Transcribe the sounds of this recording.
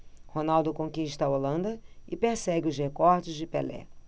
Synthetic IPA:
honawd̪ʊkõkĩɪʃt̪ɐɐolɐ̃nd̪ɐɪpeɾsɛɡʲɪʊzhekɔɾd͡ʒɪzd͡ʒɪpelɛ̰

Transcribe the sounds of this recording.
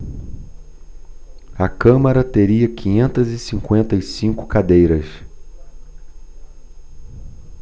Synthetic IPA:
ɐkɐ̃mɐɾɐt̪eɾiɐkʰĩɲẽnt̪ɐzɪsĩŋkwẽnt̪ɐisĩŋkʊ̥kad̪ejɾɐs

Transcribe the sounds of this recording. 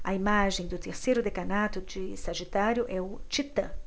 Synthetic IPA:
ɐ̰imaʒẽj̃d̪ʊt̪eɾsejɾʊd̪ekanat̪ʊd͡ʒisaʒit̪aɾjʊʔɛʊt͡ʃit̪ɐ̰̃

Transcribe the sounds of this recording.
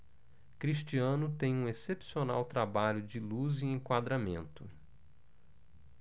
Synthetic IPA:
kɾiʃt͡ʃiɐ̃nʊt̪ẽj̃ũesepsiona̰wt̪ɾabaʎʊd͡ʒɪluzĩẽŋkwad̪ɾamḛ̃nt̪ʊ

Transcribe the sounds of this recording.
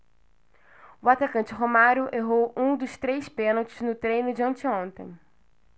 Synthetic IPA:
uat̪akɐ̃nt͡ʃɪɦomaɾjʊʔeɦowũd̪ʊst̪ɾejspẽnowt͡ʃɪznʊt̪ɾejnʊd͡ʒɐ̃nt͡ʃiõnt̪ḛ̃j̃

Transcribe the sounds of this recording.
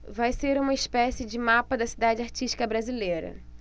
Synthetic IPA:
vajseɾũmɐispɛsɪd͡ʒɪmapɐd̪ɐsid̪ad͡ʒɪaɾt͡ʃiʃt͡ʃi̥kɐbɾazilejɾɐ̰

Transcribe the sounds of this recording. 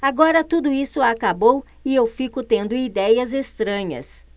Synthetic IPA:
aɡɔɾɐt̪ud̪ʊisʊakabow | ɪewfikʊt̪ẽnd̪ʊid̪ɛjɐzest̪ɾɐ̃ɲɐ̰s

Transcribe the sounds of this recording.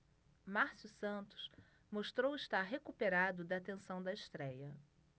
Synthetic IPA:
maɾsusɐ̃nt̪ʊ̥s | moʃt̪ɾowɪʃt̪aɾɦekupeɾad̪ʊd̪ɐːt̪ẽsɐ̃w̃d̪ɐɪʃt̪ɾɛjɐ

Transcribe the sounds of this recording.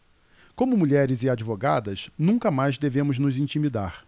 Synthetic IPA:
kõmʊmuʎɛɾɪzɪad͡ʒivoɡad̪ɐsnũkɐmajzd̪evẽmʊznʊzĩnt͡ʃimid̪a̰ɾ

